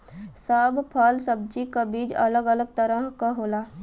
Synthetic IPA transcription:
saːbpʰaːlsəb̚d͡ʒikabiːd͡ʒɐ̰ləɡələɡ̚t̪əɾəɦkaɦoːlaː

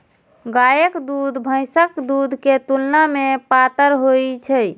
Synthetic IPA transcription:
ɡajəkd̪ud̪ʱbʱə̃jsəkd̪ud̪ʱket̪ulnamepat̪əɾɦojt͡ʃʰə

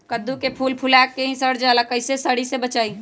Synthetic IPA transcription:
kəd̪ːukepʰuːlpʰʊlɛːkːeɦĩsəɽd͡ʒaːlakəɪsesəɽisebət͡ʃaːi

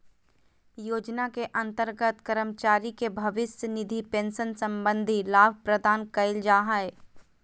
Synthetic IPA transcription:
joːd͡ʒnakeʔɐ̃nt̪əɾɡət̪kəɾəmt͡ʃaːɾikebʱɐʋɪsənɪd̪ʱipẽːnʃənsə̃mbə̃nd̪ʱilaːbʱpɾəd̪aːnkɐɪld͡ʒaːɦəe

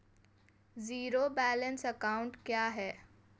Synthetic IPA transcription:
ziːɾobɛːlənsəkaʊ̃ɳʈkjaːɦɛː

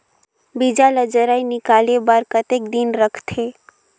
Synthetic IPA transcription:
bid͡ʒaləd͡ʒəɾainɪkaːlebaɾkət̪ekd̪inɾəkʰt̪ʰeː

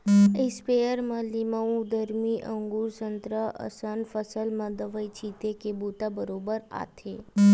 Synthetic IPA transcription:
ɪspejəɾmãlimaũd̪əɾmiʔəŋɡuɾsənt̪ɾəə̰sənfəsəlmə̃d̪əʋəjt͡ʃʰit̪ekebut̪abəɾobəɾa̰t̪ʰe

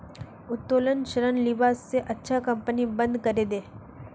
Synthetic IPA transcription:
ʊt̪ːoːlənʃəɾənlɪbaːsːeʔɐtːʃʰakɐ̃mpənibə̃nd̪kɐɾeːd̪eː

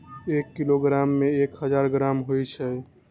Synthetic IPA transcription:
ekːiloɡɾamːeekɦəd͡ʒaɾɡɾamɦojt͡ʃʰɛ

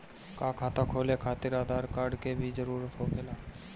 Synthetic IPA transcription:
kaːkʰaːt̪akʰoːlekʰaːt̪ɪɾaːd̪aːɾkaːɾɖkebʱid͡ʒəɾuːɾət̪ɦokʰeːlaː

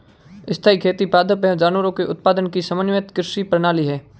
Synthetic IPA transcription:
ɪst̪ʰaːikʰeːt̪ipaːd̪ʱəpɛd͡ʒaːnʋəɾõkeʔʊt̪̚paːd̪ənkisɐmənʋet̪kɾɪʃipɾɐñaːliɦɛː

